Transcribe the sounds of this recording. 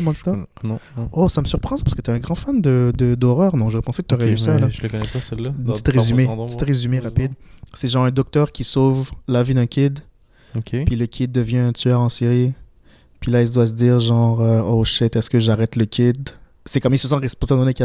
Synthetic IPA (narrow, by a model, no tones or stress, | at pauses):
mɔ̃t̪ã | osaməsyʁpχɑ̃spḁʁskət̪yɛɛ̃ɡʁɑ̃fand̪əd̪əd̪ɔʁœːʁnɔ̃ʒɔʁɛpɑ̃sekət̪yoʁɛlysalaəkɔnɛpasɛlːapt̪it̪ʁezymet̪i̥t̪ʁezymeʁapid̪sɛʒɑ̃ːʁɛ̃d̪ɔk̚t̪œʁkʲisovlavid̪ɛ̃kʲʰid̪ | okʲepɥiləkʲʰid̪ːəvjɛ̃ɛ̃t̪yœʁɑ̃siʁi | pɥilailsd̪was̬əd̪iːʁʒɑ̃ːʁøoʃɪt̪ɛskəʒaʁɛt̪ləkʲid̪ | sɛkɔmilsəsɑ̃ʁɛspɔ̃sad̪ɔ̃neka